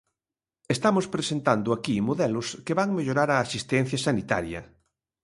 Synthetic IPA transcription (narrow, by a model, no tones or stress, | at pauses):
est̪amʊspɾesent̪and̪ʊakimoðɛlʊskeβaŋmeʎoɾaɾaːsist̪ɛn̟θjɐsanit̪a̰ɾjɐ̰